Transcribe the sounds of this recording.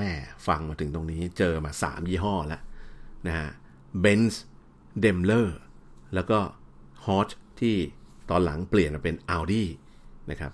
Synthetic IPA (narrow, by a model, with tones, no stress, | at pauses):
ɛː˥˩fa˧ŋmaː˧t̪ʰɯ˩˦ŋt̪o˧ŋniː˦˥t͡ɕɤː˧maː˧sa̰ː˩˦mjiː˥˩ɦɔː˥˩la˦˥ʔna˦˥ka̰˦˥ʔ | be˦˥ns | de˧mlɤː˥˩lɛː˦˥wkɔː˥˩ | hɔː˦˥t͡ɕt̪ʰiː˥˩t̪ɔː˧nla̰˩˦ŋpli˨˩ənmaː˧pe˧nʔa˧wdiː˥˩ | na˦˥kʰɾa˦˥p̚